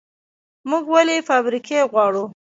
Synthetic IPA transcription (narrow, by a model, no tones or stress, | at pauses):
muɡwalefɑbɾikʰeɣwɑɽu